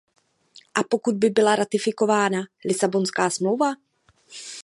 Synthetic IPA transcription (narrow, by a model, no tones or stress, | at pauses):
ʔapo̞kud̪̚bɪbɪlaɾat̪ɪfɪko̞vaːnalɪsabo̞nskaːsmlowva